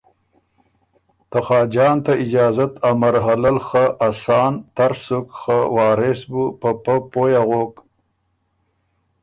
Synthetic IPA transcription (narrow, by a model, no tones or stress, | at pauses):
t̪axɑːd͡ʒɑːnt̪aɪd͡ʒɑːzat̪amaɾɦalalxaʔasɑːnt̪aɾsukxawɑːɾesbupəpəpojaɣok